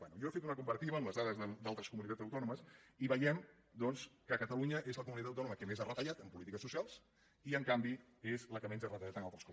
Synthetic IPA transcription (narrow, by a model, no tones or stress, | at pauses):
bɛnujɔfet̪unəkumbəɾt̪iβəːmləzðaðəzðəd̪alˠt̪ɾəskumunit̪ad͡zəwt̪ɔnuməsiβəjɛm | d̪ɔnskəkət̪əluɲəʔezləkumunit̪at̪əwt̪ɔnuməkəmezarət̪əʎat̪əmpulit̪ikəsːusialˠs | iəŋkambi | ezləkəmenzarət̪əʎat̪ənalˠt̪ɾəskɔ